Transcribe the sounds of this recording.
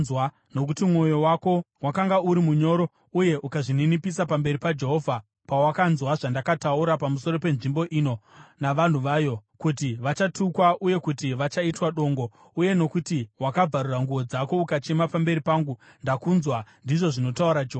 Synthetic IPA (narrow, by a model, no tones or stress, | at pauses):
wa | no̞kutimŋo̞jo̞wako̞ | wakaŋɡauɾimuɲo̞ːɾo̞ | uje̞ʔukaʐininipisapambe̞ɾipad͡ʒe̞ɦo̞vʱa | pawakanzwaʐandakatauɾapamuso̞ɾo̞pe̞nʐimbo̞ʔino̞naʋan̤uʋaːjo̞kut̬iʋat͡ʃatukwaʔuje̞kutiʋat͡ʃaitwaɗo̞ːŋɡo̞ | uje̞no̞kutiwakab͡vʱaruraŋɡuʋo̞d͡zako̞ukat͡ʃe̞mapambe̞ɾipaːŋɡu | ndakunzwandiʐo̞ʐino̞tauɾad͡ʒeɦoːa